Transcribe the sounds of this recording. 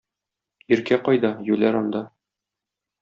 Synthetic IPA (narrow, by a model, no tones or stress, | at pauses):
iɾkæqɒjd̪ɑjʉlæɾɒnd̪ɑ